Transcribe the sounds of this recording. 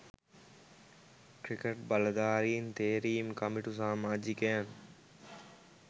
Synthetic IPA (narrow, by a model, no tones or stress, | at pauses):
kɾikeʈ̚bɐlad̪aːɾiːnt̪eːɾiːmkɐmɪʈusãːmad͡ʑikeən